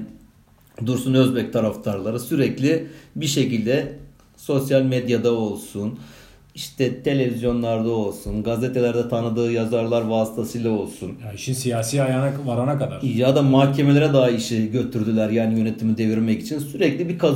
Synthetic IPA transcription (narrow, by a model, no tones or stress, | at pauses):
d̪uɾsunø̞zbɛc̚t̪ʰaɾaft̪ʰaɾlˠaɾɯsyɾɛclʲibiʃe̞cilʲd̪ɛ | so̞sjalʲmed̪jad̪ao̞lˠsun | iʃt̪ʰɛt̪ʰe̞lʲevizjo̞nlˠaɾd̪ao̞lˠsunɡazet̪ʰe̞lʲæɾd̪ɛt̪ʰanɯd̪ɯːjazaɾlˠaɾvaːsi̥t̪ʰasɯjlˠao̞lˠsunjaiʃinsijaːsiːajanavaɾanakad̪aɾjad̪amaːcʰe̞me̞lʲeɾɛd̪aɦaiʃiɟø̞t̪ʰyɾd̪ylʲæɾjaːnijø̞ne̞t̪ʰimid̪eviɾmɛcit͡ʃʰinsyɾɛclʲibikʰa